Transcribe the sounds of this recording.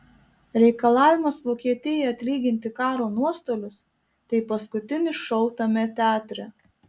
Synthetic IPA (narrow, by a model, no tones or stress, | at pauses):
ɾʲɛɪkɐlˠɑːʋʲɪmɐsʋoːkʲiɛt̪ʲɪjɛɐt̪ʲlʲiːɡʲɪnʲt̪ʲɪkɑːɾoːnuɔst̪oːlʲʊs | t̪ɐɪpɐskʊt̪ʲɪnʲɪʃɔʊt̪ɐmʲɛt̪ʲɑːt̪ʲɾʲɛ